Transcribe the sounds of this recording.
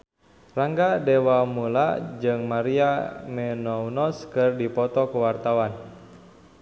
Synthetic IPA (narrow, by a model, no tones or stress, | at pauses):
raŋɡadewamulad͡ʒɨŋmaɾiamɛnɔwnɔskɨrdipɔt̪ɔkəwart̪awan